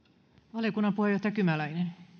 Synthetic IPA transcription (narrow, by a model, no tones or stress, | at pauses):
ʋɑlikunːɑpuhejot̪ɑjɑkymælæinen